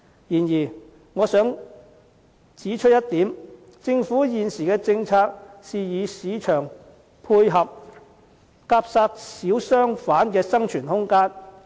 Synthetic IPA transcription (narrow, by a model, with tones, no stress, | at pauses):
jiː˨˩njiː˨˩ | ŋɔː˨˧sœː˨˥ŋ | t͡siː˨˥t͡ʃʰɵ˥t̚jɐ˥t̚t̪iː˨˥m | t͡sɪ˧ŋfuː˨˥jiː˨nsiː˨˩kɛː˧t͡sɪ˧ŋt͡sʰaː˧k̚siː˨jiː˨˧siː˨˥t͡ʃʰœː˨˩ŋ | pʰuː˧jɦɐ˨p̚ | kaː˧˥p̚saː˧k̚siː˨˥wsœː˥ŋfaː˨˥nkɛː˧sɐ˥ŋt͡ʃʰyː˨˩nhʊ˥ŋkaː˥n